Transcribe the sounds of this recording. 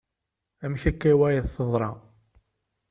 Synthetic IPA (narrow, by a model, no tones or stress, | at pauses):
æmçækːæwæjðθəðˤɾˤɑ